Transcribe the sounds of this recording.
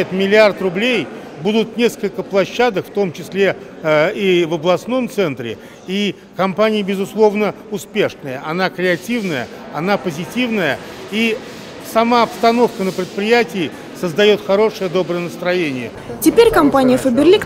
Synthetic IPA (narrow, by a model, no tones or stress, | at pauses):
ɪt̪mʲɪlʲɪart̪rʊblʲej | bud̪ʊt̪̚nʲe̞skəlʲkəplˠɐɕːad̪əkft̪o̞mt͡ɕɪsʲlʲe | ivəblˠɐsno̞mt̪sɛnt̪ɾʲɪ̰ | i | kɐmpanʲɪjəbʲɪzʊslˠo̞vnə | ʊspʲe̞ʂnəjəʔɐnakɾʲɪɐtʲivnəjə̰ɐnapəzʲɪtʲivnəjəi | sɐmaɐpst̪ɐno̞fkənəpɾʲɪt̪̚pɾʲɪjætʲɪː | səzd̪ɐjo̞t̪xɐɾo̞ʂɨjəd̪o̞bɾəjənəst̪ɾɐjenʲɪjə | tʲɪpʲeɾʲkɐmpanʲɪjəfəbʲɪrlʲik